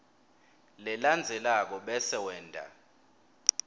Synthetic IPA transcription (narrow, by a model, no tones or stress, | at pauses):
lɛland͡zʱɛlak̬ɔɓɛsɛwɛːndʱʼa̰